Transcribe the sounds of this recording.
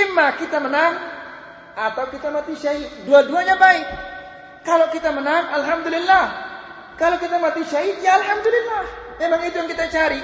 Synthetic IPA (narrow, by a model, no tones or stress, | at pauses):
imːakit̪amənaŋ | ʔat̪awkit̪amat̪iʃaɦit̪duaduaɲabaɪk̚ | kalowkit̪amənaŋalɦamd̪ulilːah | kalokit̪amat̪iʃaɦit̪jaːlɦamd̪ulilːahmemaŋit̪ujaŋkit̪at͡ʃaɾi